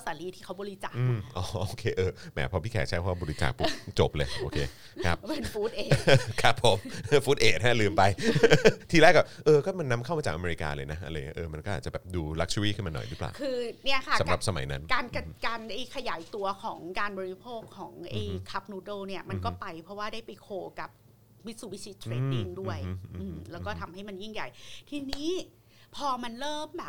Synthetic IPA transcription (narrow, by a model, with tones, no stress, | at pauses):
saː˩˦liː˧t̪ʰiː˥˩kʰa˦˥wbɔː˧ɾi˦˥t͡ɕaː˨˩ʔɯkːmʔɔː˩ʔoː˨˧kʰeː˧ʔɤː˧mɛ̰ː˨˦pʰɔː˧pʰiː˥˩˨t͡ɕʰa˥˩pʰɔ˦˥waː˥bɔː˧ɾi˧t͡ɕa̰ː˨˩k̚pu˨˩t͡ɕo˨˩p̚lɤː˧jʔoː˧kʰeː˧ | kʰa˦˥p̚pe˧nfuː˦˥t̪̚ʔeː˨˩kʰa˦˥pʰːo˨˩˦mfuː˦˥t̪̚ʔeː˨˩t̪̚ha˦˥˩lɯː˧mpa˧jt̪ʰiː˧lɛː˦˥kɔ˨˩ʔɤː˧kɔː˥˩ma˧nːa˦˥mkʰa˥˩wmaː˧t͡ɕaː˨˩ʔmeː˧ɾi˧ka̰ː˧lɤː˧jna˦˥ʔa̰˧laː˧jʔɤː˧ma˧nkɔː˥˩ʔːt̪̚t͡ɕa˨˩bɛː˨˩p̚duː˧la˦˥k̚t͡ɕʰi˦wiː˦˥˩ɯː˥˩maː˧nɔ̰˨˩jɾɯː˦˥pla̰ː˨˩kʰɯː˧ni˥˩ɐkʰa˦˥˩sa˩˦aɾa˨˩p̚sa˧ma̰˨˩˦jna˦˥nkaː˧nka˧kaː˧nʔa˦˥˩jkʰa˧jaː˩˦jt̪u˧ɐkʰɔː˩˦ŋkaː˧nbɔː˧ɾi˧pʰoː˥˩kʰːɔː˩˦ŋʔa˧˩jkʰa˦˥p̚nuː˧˦dɤ˥˩ni˥˩ɐma˧nkɔː˥˧˩pa˧jpʰɾɔ˦˥waː˥˩daː˥˩jpa˧jkʰoː˧ka˨˩p̚ | wi˦˥suː˧wi˦˥sʰiː˧˥t̪ʰɾeː˧i˧˩ŋdu˥˩əjɯː˧˩lɛː˦˥wkɔː˥˩t̪ʰa˧mha˥˩jma˧nji˥˩ŋja˨˩jt̪ʰiː˧niː˦˥ | pʰɔː˧ma˧nɾɤː˥˩mmbɛː˨˩p̚